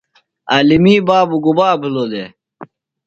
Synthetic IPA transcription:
aːlimiːbaːbuɡubaːbiloːd̪e

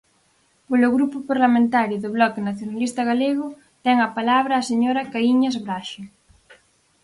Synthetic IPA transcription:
poloɣɾupopaɾlamẽnt̪aɾjʊðoβlɔkenaθjonalist̪aɣaleɣʊ | t̪ɛŋapalaβ̞ɾaːseɲoɾakaiɲazβɾaʃe

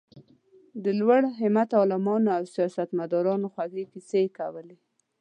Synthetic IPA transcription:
d̪əlwaɽɦɪmat̪ɑlɪmɑnoawsijɑsat̪mad̪ɑɾɑnoxwaɡepisekawəle

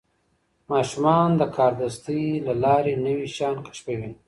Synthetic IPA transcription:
mɑʃumɑnd̪əkʰɑɾd̪ast̪ilalɑɾenəwiʃɑnkḁʃpewin

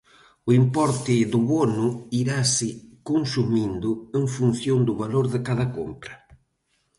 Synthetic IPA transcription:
ʊimpɔɾt̪ɪðʊβɔnʊiɾasɪkonsumind̪ʊeŋfun̟θjond̪ʊβaloɾðɪkaðɐkompɾɐ

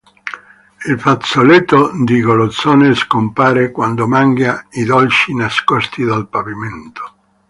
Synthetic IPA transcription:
ilfat̪solet̪ːod̪iɡolot̪sɔːneskompaːɾekwand̪omaŋɡjaid̪ɔlt͡ʃinaskɔst̪id̪alpaviment̪o̥

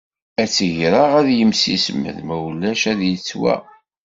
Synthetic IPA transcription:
æt͡sːʝɾaʁæðjəmsḭsmə̰ðmæwlːæʃæðjət͡sːwæ̰

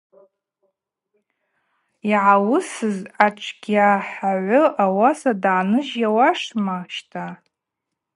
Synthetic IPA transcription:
iʕawʊsɨzat͡ʃʷʼʰɡʲaħaʕʷʊʔawasadaːnɨʒjawaʂmaʃtʼʰa

